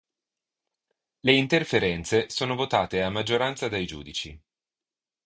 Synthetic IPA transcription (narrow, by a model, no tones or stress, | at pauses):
leint̪erfeɾɛnt̪sesoːnovot̪aːt̪eamːad͡ʒːoɾant̪sad̪ajd͡ʒṵːd̪it͡ʃi